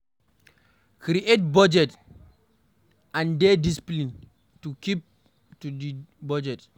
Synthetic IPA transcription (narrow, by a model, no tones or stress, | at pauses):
kɾiʔet̚bad͡ʒɛt | ãndedisi̥plin | tukip̚ | tudibad͡ʒɛt